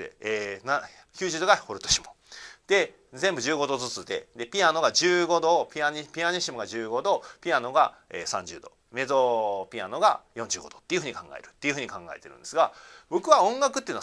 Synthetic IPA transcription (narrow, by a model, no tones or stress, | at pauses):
eeːna | kʲɨːʑɨːd̪o̞ɡahoɾɯ̟t̪oɕimod̪̥e̞ | zẽmbɯ̟ʑɨːɡo̞d̪o̞zɨt͡sɨd̪e̞̰d̪e̞pʲiano̞ɡad͡ʑɨːɡo̞d̪o̞pʲiaɲipʲiaɲiɕimɯ̟ɡad͡ʑɨːɡo̞d̪opʲiano̞ɡa | ḛːsã̰ɲ̟d͡ʑɨ̰ːd̪o̞̰ | me̞zo̞pʲia̰no̞ɡa̰jõ̞ɲ̟d͡ʑɨ̰ːɡo̞d̪o̞t̪ːeiɯ̟ɯ̟ɲ̟ikãŋɡa̰eɾɯ̟̥t̪ːe̞iɯ̟ɯ̟ɲ̟ikãŋɡa̰e̞t̪e̞ɾɯ̟̃nd̪esɨɡabo̞kɯ̟βaõ̞ŋɡakɯt̪ːeiɯn